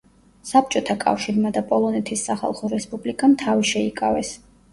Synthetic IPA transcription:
sap̚ʰt͡ʃʼɔt̪ʰakʼa̰fʃiɾmad̪apʼɔlˠɔnɛt̪ʰisːaχa̰lˠχɔɾɛspʼublikʼamt̪ʰaviʃɛikʼavɛs

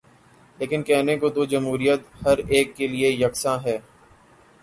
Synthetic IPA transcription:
leːkɪnkɛːnekod̪oːd͡ʒɐmɦuːɾijət̪hɐɾeːkːeliejɐksãɦɛː

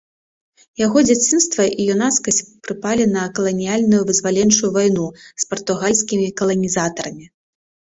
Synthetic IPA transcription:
jaɣɔd͡zʲat͡sʲinst̪vɐʔijunaskɐsʲt͡sʲpɾɨpalʲinɐkɐlˠɐnʲijalʲnujuvɨzvalʲɛnt͡ʂujuvajnuspɐrt̪uɣalʲsʲkʲimʲikɐlˠɐnʲizat̪ɐɾɐmʲi

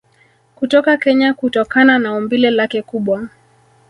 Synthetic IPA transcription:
kutɔkakɛɲakutɔkananaɔmbilɛlakɛkuɓwa

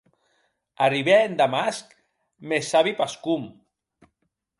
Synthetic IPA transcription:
ariβeːnd̪amask | mesaβipaskum

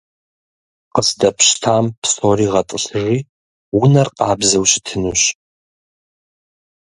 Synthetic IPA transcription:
qəzdɐpʰʃtʰampʰsoriʁɐtʼɨɬri | wʊnɐrqʼɑːbzɐwɕɪ̥tʰɨnuɕ

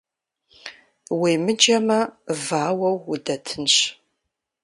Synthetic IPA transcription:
wiːmɨd͡ʒɐmɐvaːwɐwːʊdɐtʰɨnɕ

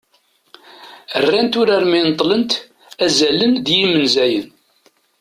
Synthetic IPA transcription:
ərːænt̪ʊɾaɾmint̪ˤːlənt̪ | æzæləndjimənzæjən

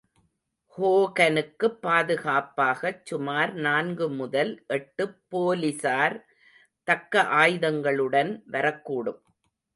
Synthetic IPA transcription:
hoːɣɐnɯkːɯpːaːðɯɣaːpːaːɣɐt͡ʃːʊmaːɾnaːnɡɯmʊðɐlʔɛʈːɯpːoːlɪsaːɾ | t̪ɐkːɐʔaːjðɐŋɡɐɭɯɽɐnʋɐɾɐkːuːɽɯm

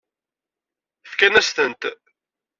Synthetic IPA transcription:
fkænæst̪ənt̪

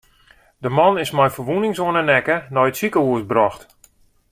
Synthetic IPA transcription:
dəmɔnɪsmɛjfərʋunɪŋsuənənɛkənɔjətsikəuəsbrɔxt

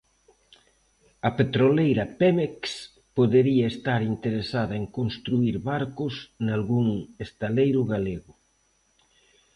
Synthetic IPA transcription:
ɐpet̪ɾolejɾɐpemeks | poðeɾiɐest̪aɾint̪eɾesaðɐeŋkonst̪ɾuiɾβaɾkʊsnalɣuŋest̪alejɾʊɣaleɣʊ

